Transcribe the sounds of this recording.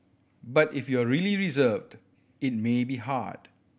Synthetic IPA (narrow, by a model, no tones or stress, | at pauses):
batɪfjɔəɹiliɹizəvd | ɪt̚mebiɦa̰d̥